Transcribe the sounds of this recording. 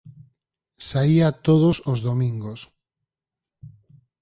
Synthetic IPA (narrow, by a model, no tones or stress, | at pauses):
saiat̪oð̞osozðomĩŋɡos